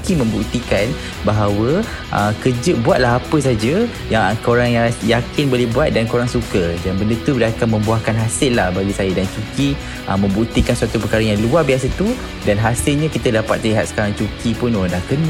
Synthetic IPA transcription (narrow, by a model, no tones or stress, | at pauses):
kimə̃mbuk̚t̪ikan | baɦawə | ʔə̰kəd͡ʒəbuat̪̚laɦapəs̬ad͡ʒə | jaŋkoɾaŋjajakɪnbolɛhbuat̪̚dankoɾaŋsukədanbəndət̪udakanmə̃mbuahkanɦasɪlːahbaɡisajadant͡ʃuki | ʔəmə̃mbuk̚t̪ikansuat̪upəkaɾəjaŋluarbias̬at̪u | danɦasɪlɲãkit̪ədapa̰t̪̚ːliɦat̪̚sə̥kaɾaŋt͡ʃukipʊnoɾaŋdahkən